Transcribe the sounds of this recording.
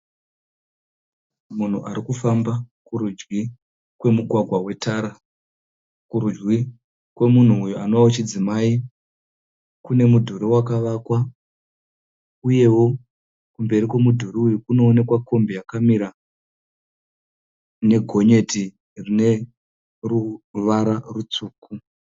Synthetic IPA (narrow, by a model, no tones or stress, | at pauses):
mun̤ṵʔaɾikufambakuɾud͡ʒwi | kwe̞muɡʱwaɡʱwawe̞taɾa | kuɾud͡ʒɡi | kwe̞mun̤uːjuano̞ʋawot͡ʃid͡zimai | kune̞mudʱuɾiwakaʋakwa | uje̞wo̞ | kumbe̞rikwe̞mudʱuɾiujukuno̞ːne̞kwako̞mbejakamiɾa | ne̞ɡʱo̞ɲe̞ti | rine̞ | ruʋaɾarut͡suːkʰu